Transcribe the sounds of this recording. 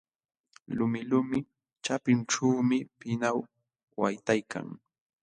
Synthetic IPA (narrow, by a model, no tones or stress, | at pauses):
lʊmɪlʊmɪ | t͡ʃapɪnʈ͡ʂuːmɪpɪnaw | wajt̪ajkʰa̰ŋ